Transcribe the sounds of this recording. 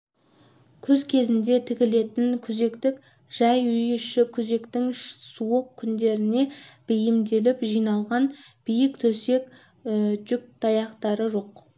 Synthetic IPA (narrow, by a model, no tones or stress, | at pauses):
kʲʰɵzkʲʰe̞zɪnd̪e̞t̪ʰɪkʲɪle̞t̪ɪnkʲʰʏze̞kt̪ɪk | ʒ̥ɑjʏjʏʃɪkʲʰʏze̞kt̪ɪŋsuəqkʲʰʏnd̪e̞ɾɪne̞b̥ɪjɪmd̪e̞lɪpʒijnɑlˠʁɑnb̥ijɪkt̪ʰɵse̞k | d͡ʒʏk̚t̪ʰɑjɑqt̪ɑɾəʒo̞q